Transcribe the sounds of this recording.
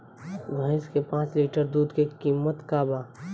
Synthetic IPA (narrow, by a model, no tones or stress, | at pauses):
bʱaɪ̃skepãːt͡ʃliːʈəɾd̪uːd̪kekiːmːət̪kaːbaː